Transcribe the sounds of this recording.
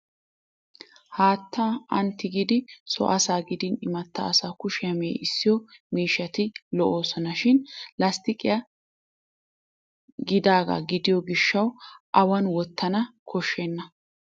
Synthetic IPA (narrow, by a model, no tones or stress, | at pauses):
haːt̪ːaʔɐnt̪ːɪɡɪd̪ɪsɔ̰ʔɐsaːɡɪd̪ɪnɪmɐt̪ːɐːsaːkʊʃɪjɐmḛːʔɪsːɪjɔmiːʃːɐt̪ɪlɔʔo̞ːsɔnɐʃɪnlɐst̪ɪkʼɪjɐ | ɡɪd̪aːɡɐ̰ɡɪd̪ɪjɔɡɪʃːɐwʔɐwɐnwɔt̪ʰːɐnɐkʰɔʃːeːnːɐ